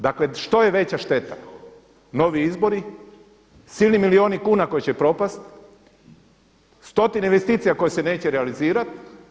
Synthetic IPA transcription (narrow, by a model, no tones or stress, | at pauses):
d̪akle̞ʃt̪o̞je̞ʋe̞t͡ɕaʃt̪e̞t̪a | no̞ʋiizbo̞ɾi | silnimilio̞ːnikuːnako̞jet͡ɕepɾo̞past̪ | st̪ot̪ineinʋest̪iːt̪sijako̞jese̞ne̞ːt͡ɕeɾealiziːɾat̪